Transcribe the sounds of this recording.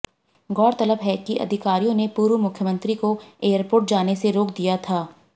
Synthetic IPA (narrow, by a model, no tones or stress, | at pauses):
ɡɔːɾt̪ɐləbɦɛkiʔɐ̰d̪ʱɪkaːɾijõnepuːɾwmʊkʰjəmə̃nt̪ɾikoeːəɾpoːɾʈ̚d͡ʒaːneseɾoːk̚d̪ijat̪ʰaː